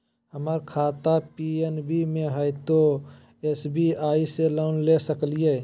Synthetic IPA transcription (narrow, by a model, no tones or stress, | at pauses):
ɦəməɾkʰaːt̪apienbimẽɦəjt̪o | esbiaːiseloːnlesəklije